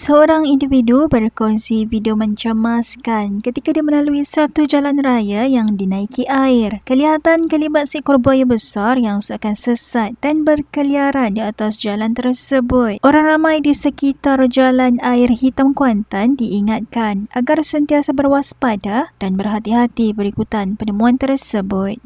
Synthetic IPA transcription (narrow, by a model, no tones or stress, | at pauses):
səoɾaŋindividubərkɔnsifidiomə̃ɲt͡ʃəmaskankət̪ikadiməlaluisat̪ud͡ʒalanrajajaŋdinãikiʔaɪrkəliɦat̪ankəlibat̪̚siʔkɔrbajabəsarjaŋsuakansəsat̪̚d̥anbərkəliaɾandiat̪asd͡ʒalant̪ərsəbʊt̪̚ʔoɾaŋramãjdisəkit̪ard͡ʒalanaɪrhit̪amkuant̪andiːŋat̪̚kanʔaɡarsənt̪iasabərwaspadad̥anbərɦat̪iɦat̪ibəɾikut̪anpənəmũant̪ərsəbʊt̪̚